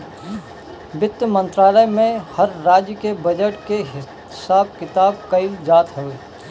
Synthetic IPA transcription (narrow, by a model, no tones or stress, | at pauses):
bɪt̪ːəmə̃nt̪ɾaːləjmẽhɐɾːaːd͡ʒjəkebɐd͡ʒəʈkeɦ | saːb̚kɪt̪aːb̚kɐid͡ʒaːt̪ɦoeː